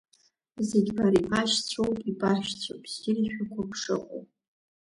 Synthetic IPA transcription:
zeɡʲbaɾibaʃt͡sʷʰowpʼibaʃᶣt͡sʷʰo̰pʼziriʃᶣakʷʰapʰʂɨqʷʼo̰wʼ

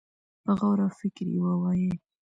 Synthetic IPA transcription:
pəɣawɾafɪkɾjḭwawaje

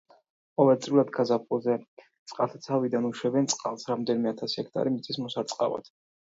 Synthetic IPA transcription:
qʼɔvɛlt̪sʼvilad̪ɡazapʰɔzɛ | t̪sʼqʼalˠt̪ʰat̪sʰavid̪anuʃwɛbɛnt̪sʼqʼalˠsɾamd̪ɛnimɛat̪ʰasi̥hɛk̚ʰt̪ʼa̰ɾimit̪sʰʼismɔsaɾt̪sʼqʼa̰va̰d̪̥

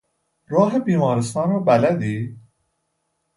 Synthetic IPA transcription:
ɾɒːɦebiːmɒːɾest̪ɑːnɒːbælæd̪iː

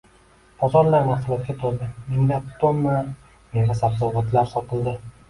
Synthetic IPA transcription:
bɒzɒɾlaɾmahsʊlˠɒt̪̚ɡʲat̪ʰoɾd̪ɪmɪllat̪ːonːa | meŋvasabzɒwvat̪laɾsɒt̪ʰɪld̪ɪ

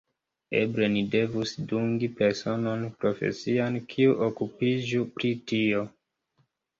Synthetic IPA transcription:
e̞̰bɾe̞nide̞vusduŋɡipe̞ɾso̞no̞npɾo̞fe̞̰siankʰiuʔokupid͡ʒupɾitio

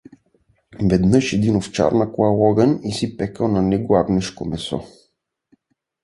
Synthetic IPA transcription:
vɛd̪nɤʃɛd̪inoft͡ʃa̰ɾnɐklˠalˠɔɡənisipɛkəlnɐnɛɡoaɡnɛʃkomɛsɔ̰

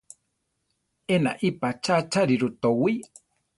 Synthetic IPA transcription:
ena̰ʔipat͡ʃat͡ʃaɾiɾut̪owi

